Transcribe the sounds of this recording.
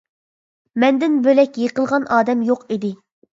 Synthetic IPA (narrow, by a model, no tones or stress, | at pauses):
mɛnd̪ɪnbølɛkʲjeqəlˠʁɑnɑːd̪ɛmjoqid̪ɪ